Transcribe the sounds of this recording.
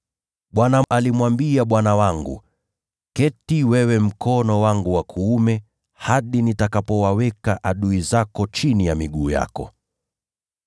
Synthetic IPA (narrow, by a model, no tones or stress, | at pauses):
ɓwanaalimwambiaɓwanawaŋɡṵ | kɛtiwɛwɛm̩kɔnɔwaŋɡuwakʰuumɛ | haɗinitakapɔwawɛkaʔaɗuizakɔt͡ʃinijamiɠuːja̰kɔ̰